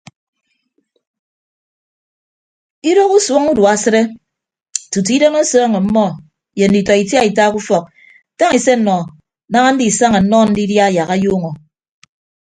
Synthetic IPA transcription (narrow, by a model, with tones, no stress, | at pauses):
i˦ɾo˦ku˦so˦ŋu˦dwa˦sɨ˦ɾe˦ | tu˨t̬i˦do˦no˦sɔː˦ŋe˨m̩˦mɔ˦ | je˨n̩˦di˨tɔ˨i˨tja˦i˨ta˦ku˦fɔ˨k̚ | ta˦ŋi˨se˦n̩˦nɔ˨ | na˦ŋa˦n̩˦di˨sa˦ŋa˨n̩˦nɔ˦n̩˦di˦dja˦a˨ja˨ɣa˦joː˦ŋo˨